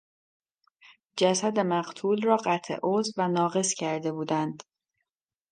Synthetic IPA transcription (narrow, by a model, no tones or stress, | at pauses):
d͡ʒæsæd̪e̞mæɢt̪ʰuːlrɒːɢæt̪ʰḛʔozvænɒːɣe̞scʰæɾd̪e̞buːd̪ænd̪